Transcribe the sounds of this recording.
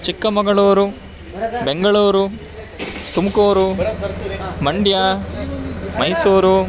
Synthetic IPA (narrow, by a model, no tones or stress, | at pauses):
t͡ʃikːɐmɐɡɐɭuːɾu | beŋɡɐɭuːɾu | t̪umukoːɾu | mɐɳɖjaː | mɐjsuːɾu